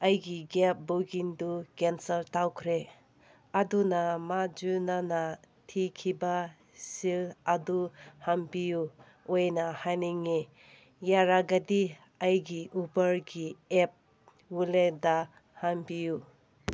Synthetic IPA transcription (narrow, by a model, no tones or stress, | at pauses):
ɐjɡiɡep̚boɡindukensɐltawkʰɾe | adunamad͡ʒunana | tʰikʰiba | siladuhampiju | ojnahajniŋe | jaɾaɡadi | ajɡiʔubɐɾɡiep̚ | wuleda | hampiju